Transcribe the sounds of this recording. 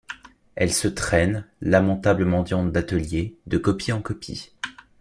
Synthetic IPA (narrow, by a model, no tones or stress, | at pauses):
ɛlsət̪χɛnlamɑ̃t̪abləmɑ̃d̪jɑ̃t̪̚d̪at̪əljed̪əkɔpjeɑ̃kɔpḭ